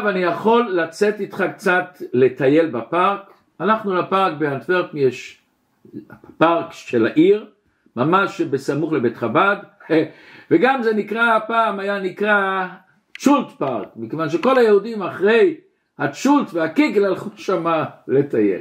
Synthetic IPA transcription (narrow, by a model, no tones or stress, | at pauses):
vanijaχo̞lːat͡set̪it̪χakt͡satle̞t̪aje̞lbapaʁk | anaχnulapaʁk̚beant̪veʁt̪mjeʃ | paʁkʃelaʔiʁ | mamaʃbesamuχlebetχabad | veɡamzenikʁapaːmajanikʁa | t͡ʃult̪paʁkmikevanʃ̬eko̞lajehudimaχʁe̞j | hat͡ʃult̪veakiɡlalχuʃamale̞t̪ajḛl